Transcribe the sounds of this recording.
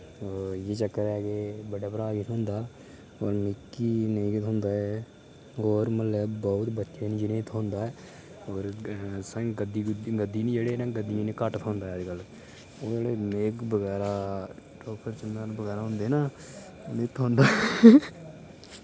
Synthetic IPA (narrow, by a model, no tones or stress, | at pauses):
oːjeːt͡ʃəkːəɾɛːkeːbəɖaːpəɾaːɡɪt̪ʰɦõːnd̪aː | oːɾmɪkːiːnəĩːɡɪt̪ɦʊ̃nd̪aːɛ | ɦoːɾməlːɛːbɔːʊt̪bətːʃeːnid͡ʒinẽːt̪ʰːõːnd̪aːɛː | oːɾsə̃ɡɡəd̪ːiːɡəd̪ːiːnĩːd͡ʒeːɽeːnãːɡəd̪ːijãːneːkəʈt̪ʰɦõːnd̪aːɦɛːd͡ʒkəl | oːd͡ʒeːɽeːmeːkbəɣɛːɾaːʈoːpʰəɾt͡ʃənanbəɣɛːɾaːɦʊ̃nd̪eːnaː | neːt̪ʰːõːnd̪aː